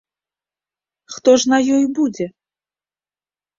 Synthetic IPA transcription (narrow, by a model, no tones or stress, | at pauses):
xt̪ɔʐnɐjɔjbud͡zʲɛ